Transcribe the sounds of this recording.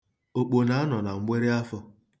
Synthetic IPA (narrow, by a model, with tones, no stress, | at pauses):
o˨k͡po˨na˨a˦nɔ˨na˨ŋ͡m̩˦ɡ͡bʷe˦ɾe˦a˦fɔ˦